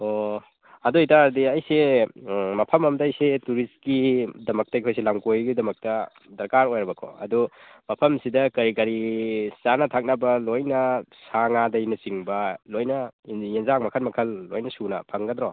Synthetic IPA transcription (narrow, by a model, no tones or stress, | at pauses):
o | ɐduitadiɐjse | mɐpʰɐmɐmdɐːjsetuɾist̚kidɐmɐk̚tɐjkʰojs̬elaŋkojɡidɐmɐk̚tɐ | dɐɾkaɾojɾɐbɐkʰɔ̰ɐ̰dumɐpʰɐmsidɐkɐɾikɐɾisanɐtʰak̚nɐbɐlojnɐsaŋadɐjnɐsiŋbɐlojnɐjenzaŋ̚mɐkʰɐnmɐkʰɐlːojnɐsunɐ̰pʰɐŋɡɐd̪ɾɔ